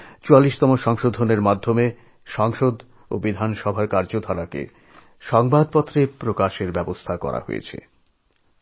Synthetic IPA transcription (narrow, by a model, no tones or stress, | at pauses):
t͡ɕualːiʃt̪ɔmoʃɔŋʃod̪ʱoneɾmad̪ʱːome | ʃɔŋʃod̪ | obid̪ʱanʃɔbʱaɾkaɾd͡ʑod̪ʱaɾakḛ | ʃɔŋbad̪̚pɔt̪ːɾepɾokaʃeɾbɛbost̪ʰakɔ̰ɾa̰ɦo̰jḛt͡ɕʰḛ